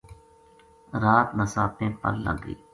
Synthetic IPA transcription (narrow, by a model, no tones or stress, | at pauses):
ɾaːt̪nəsaːp̪ẽːpə̰lːə̰ŋɡ̪ḭː